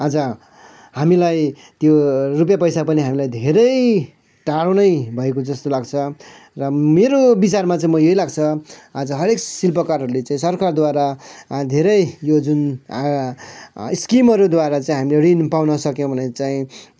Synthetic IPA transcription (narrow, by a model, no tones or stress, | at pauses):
ad͡zʌ | hamilaj | t̪jorupjapʌjsapʌniɦamilajd̪ʱeɾʌj | ʈaɽnʌjbʱʌekod͡zʌst̪olaɡt͡sʰʌ | rʌmeɾobit͡sarmat͡saĩmʌjʌilaɡt͡sʰʌad͡zʌɦʌɾeksilpʌkarɦʌɾulet͡saĩsʌrkard̪waɾad̪ʱeɾʌjjod͡zun | skimʌɾud̪waɾat͡saĩɦamilerinpawnʌsʌkjõbʱʌneʌt͡saĩ